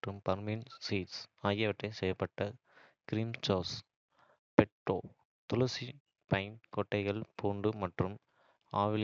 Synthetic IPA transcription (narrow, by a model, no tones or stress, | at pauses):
ʈrɯmpɐɾmɪnsiːʈsaːjɐʋɪʈrɐɪsɛjɐpːɐʈːɐ | kɪɾiːmt͡ʃoːs | pɛʈro̰ː | t̪ʊlɐsi | pɐɪmkɔʈːɐɪɣɐɭpʰuːɳɖɯmɐʈrɯm | aːʋɪl